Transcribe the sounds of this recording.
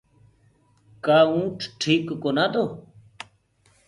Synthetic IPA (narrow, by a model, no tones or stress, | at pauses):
kaːũːʈʰʈʰiːkːoːnaːt̪oː